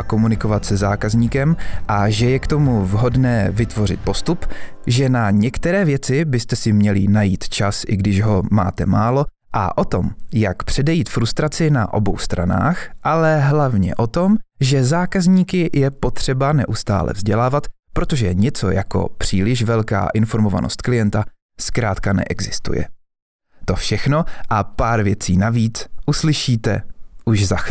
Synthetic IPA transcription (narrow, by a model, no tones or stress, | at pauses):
ko̞munɪko̞vat̪sɛzaːkazɲiːkɛmʔaʒɛjɛkt̪o̞muvɦo̞dnɛːvɪt̪vo̞rɪ̰t̪̚po̞st̪up | ʒɛnaɲɛkt̪ɛɾɛːvjɛt͡sɪbɪst̪ɛsɪmɲɛlɪnajiːt̪t͡ʃasʔɪɡdɪʒɦo̞ma̰ːt̪ɛmaːlo̞ | ʔa̰ʔo̞t̪o̞mjakpr̝̥ɛdɛjiːt̪fɾust̪ɾat͡sɪna̰ʔo̞̰bo̞̰wst̪ɾa̰na̰ːxʔalɛɦlavɲɛ̰ʔo̞t̪o̞mʒɛzaːkazɲiːkɪjʔɛpo̞t̪r̝̥ɛbanɛʔust̪a̰ːlɛ̰vzɟɛlaːvat̪ | pɾot̪o̞ʒɛɲɛt͡so̞̰jako̞̰pr̝̥iːlɪʃvɛlka̰ːʔɪnfo̞ɾmova̰no̰st̪klɪjɛnt̪a | skɾaːt̪kanɛ̰ʔɛɡzɪst̪ṵjɛ̰ | t̪o̞fʃɛxno̞ʔapaːɾvjɛt͡siːnaviːt͡sʔuslɪʃiːt̪ɛ̰ʔuʒza